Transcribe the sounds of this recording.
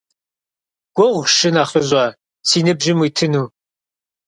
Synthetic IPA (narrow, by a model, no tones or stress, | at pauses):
ɡ̥ʷoʁʷʃɨnaχəʑɑ | siːnɨbʒɪmwiːtʰɨnuː